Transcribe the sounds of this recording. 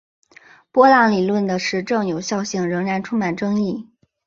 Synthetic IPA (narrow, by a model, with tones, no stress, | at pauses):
pwɔ˥la˥ŋli˨˩lwə˥˩nd̪ə˩ʂɻ̩˥˧ʈ͡ʂɤ˥˩ŋjo˨˩ʊɕjɑ˥˧ʊɕi˥˩ŋɻɤ˧˥ŋɻa˧˥nʈ͡ʂʰu˥ŋma˨˩nʈ͡ʂɤ˥ŋi˥˩